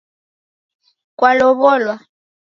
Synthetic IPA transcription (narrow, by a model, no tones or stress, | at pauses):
kʼwalɔβɔlwa